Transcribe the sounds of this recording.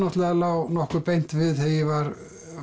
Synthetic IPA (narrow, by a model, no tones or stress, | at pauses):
nɔht̪lɛɣalaːwnɔhkʏɾpejn̥t̪vɪðθɛjɛvaɾ